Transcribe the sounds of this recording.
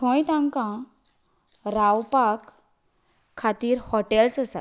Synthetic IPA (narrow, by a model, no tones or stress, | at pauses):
tʰɔ̃jt̪ãŋkã | ɾawpakʰː | at̪iːɾhɔʈɛlsəsa̰t̪